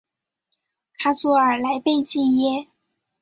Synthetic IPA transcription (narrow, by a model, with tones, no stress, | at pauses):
kʰa˥t͡sɔ˥˩ə˞˨˩la˧˥ɪpe˥˧ɪt͡ɕi˥˧jɛ˥